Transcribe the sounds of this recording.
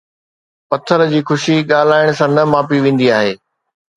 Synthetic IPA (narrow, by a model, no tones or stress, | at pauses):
pɐt̪ʰəɾd͡ʑiːxʊʃiɠaːl̤aːɪɽ̃sãnɐmaːpiʋẽːn̆d̪iaːɦeː